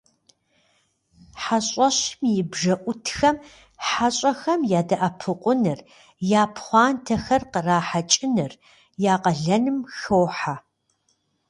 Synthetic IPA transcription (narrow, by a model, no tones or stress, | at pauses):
ħaɕʼɐɕmjɪbʒɐʔʷʊtʰxɐm | ħaɕʼɐxɐmjaːdɐʔapʰɨqʷʼʊnɨr | jaːpʰχʷɑːntʰɐxɐrqəraːħat͡ʃʼɪnɨr | jaːqɐɮɐnɨmxoːħa